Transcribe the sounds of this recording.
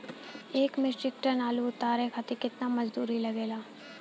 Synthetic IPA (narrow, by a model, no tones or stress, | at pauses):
eːkmɪsʈɪk̚ʈənaːluʊt̪aːɾekʰat̪ikɪt̪namɐd͡ʒd̪uːɾilɐɡeːlaː